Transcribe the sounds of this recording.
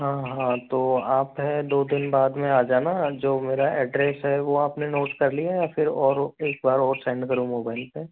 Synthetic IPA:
ɦãːɦãt̪oːaːpɦɛd̪oːd̪ɪnbaːd̪mẽaːd͡ʒaːnad͡ʒoːmeːɾaʔɛːɖɾɛːsɦɛʋoaːpnenoːʈkɐɾlijajafʰɪɾɔːɾeːk̚baːɾɔːɾsɛ̃ːɳɖkɐɾũmoːbaːɪlpe

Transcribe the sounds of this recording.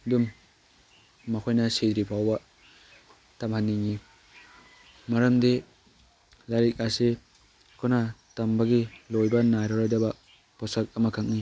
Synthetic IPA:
dum | ɐkʰojnɐsedɾipʰawbɐ | tamhanːiŋi | maɾɐmde | laɾik̚ase | kʰɔnatɐmbɐɡilojbɐnajɾɔɾojdɐbɐ | pɔsak̚ɐmɐkʰaŋ̚ni

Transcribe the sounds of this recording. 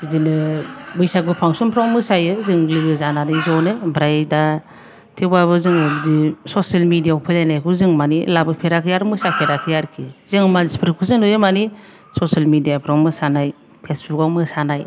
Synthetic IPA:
zinɯbɯjsakupʰaŋsumpʰɾaŋmɯsajɯzɯŋlɯɡɯzananɯjzɔnɯbɾajda | tʰebaβɯzɯŋɯbdisɔsalmidijaupʰɯlajnajkʰuzɯŋmanilabɯpʰeɾakʰɯjaɾmɯsapʰeɾakʰɯjaɾkʰizɯŋmaspɾkʰuzɯnojɯmani | sɔsalmidijapʰɾawŋmɯsanaj | pʰesbuɡawmɯsanaj

